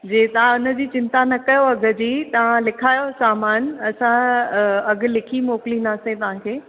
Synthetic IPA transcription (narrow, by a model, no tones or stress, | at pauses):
d͡ʑeːt̪ɐʋ̤ãʊnə̆d͡ʑiːt͡ɕɪ̃nt̪anɐkɐjoɐɡʱəd͡ʑiːt̪ɐʋ̤ãlɪkʰaːjosaːmaːnɐsã | ɐɡ̆lɪkʰimoːklĩːnd̪aːsẽt̪ɐʋ̤ãkʰeː